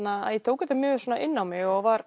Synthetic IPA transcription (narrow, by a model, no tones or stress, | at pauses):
naa̰ðjɛt̪ʰoːwkʏt̪amjʏːɣsoɔnaʔɪnːawmɪɣɔɣvaɾ